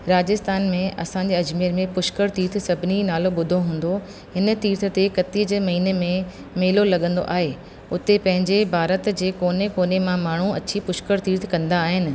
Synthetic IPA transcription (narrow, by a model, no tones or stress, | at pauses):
ɾaːd͡ʑəst̪ʰaːnmẽɐ̰sãɲ̆d͡ʑeɐd͡ʑmijəɾmẽpʊʃkəɽt̪iːɾt̪̆ʰsɐbʱɪninaːloɓʊd̪ʱoɦũːn̆d̪o | ɦɪnə̆t̪iːɾt̪ʰə̆t̪ekɐt̪iːd͡ʑmɐɦiːnemẽ | meːlolɐɠə̃nd̪o̰ʔaːɦeː | ʊt̪epɐ̃ɦɪ̃ɲd͡ʑebʱaːɾət̪d͡ʑeːkoːnekoːnemãmaːɳ̤uɐ̰t͡ɕʰipʊʃkəɽt̪iːɾt̪̆ʰkɐ̃nd̪aːɦɪnɪ̆